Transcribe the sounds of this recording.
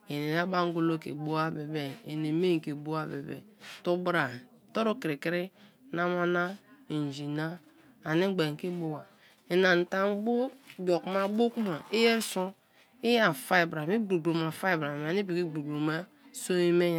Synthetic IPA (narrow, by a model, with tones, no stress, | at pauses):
e˨ne˨na˦ba˦ŋ˦ɡo˦lo˦kḛ˨ɡ͡bo˦a˦be˨be˨e˨ne˨me˦ŋ˨ke˨bo˦a˦be˨bḛ˨tu˦bɾa˨to˦ɾo˦ki˨ɾi˨ki˦ɾi˦na˦ma˦na˦i˨n˨d͡ʒi˨na˦ | a˨ni˦ɡ͡be˨ŋ˨ki˦bo˦wa˨ | e˨na˨n̩˨ta˦˨m˦bo˦bo˨kma˦bo˦ku˦ma˨i˦je˦su˦ | i˦ja˨fa˦i˨bɾa˨mi˦ɡ͡bu˨ɡ͡bo˨ma˨fa˦i˨bɾa˨m˨a˨ni˦bi˨ki˦ɡ͡bu˨ɡ͡bo˨ma˦ | so˦i˦me˦j